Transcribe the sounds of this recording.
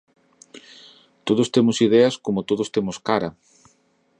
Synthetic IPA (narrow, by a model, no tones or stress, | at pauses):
t̪oðost̪emʊsið̞eɐskomot̪oðost̪emʊskaɾɐ